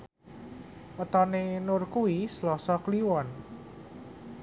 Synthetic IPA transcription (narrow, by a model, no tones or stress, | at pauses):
ʔɔt̪ɔnenʊrkuwislɔsɔkliwɔn